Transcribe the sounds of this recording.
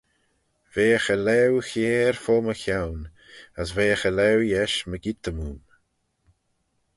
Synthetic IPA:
veːxəlɛwxɛːɹfoːməxjawn | əsveːxəlɛwjɛʃməɡit̪əmuːm

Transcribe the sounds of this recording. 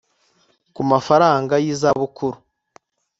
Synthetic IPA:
kumafaɾaːŋɡajizaβukuɾu

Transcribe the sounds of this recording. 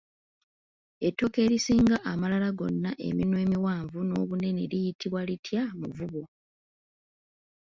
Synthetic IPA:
e̞tːo̞ke̞ːɾisiːŋɡaʔːmalalaɡo̞̰nːaʔe̞̰minwe̞ːmiwaːɱvuno̞ːβune̞neɾijitʰiβwalitʰjamuvuβo̞

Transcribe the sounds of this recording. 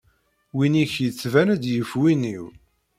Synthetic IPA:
winiçjət͡sːvænæd̪jəfwiniw

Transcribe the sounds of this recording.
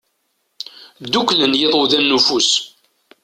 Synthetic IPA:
d̪uklənjɪðˤoðænːufus

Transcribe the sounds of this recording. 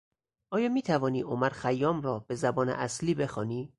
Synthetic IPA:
ʔɒːjɒːmiːt̪ʰævɒːniːʔomæɾxæjːɒːmɾɒːbe̞zæbɒːnḛʔæsliːbe̞xɒːniː

